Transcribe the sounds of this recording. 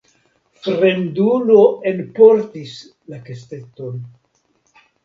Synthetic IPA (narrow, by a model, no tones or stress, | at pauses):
fɾe̞ndunoenpo̞ɾtis | lakesteton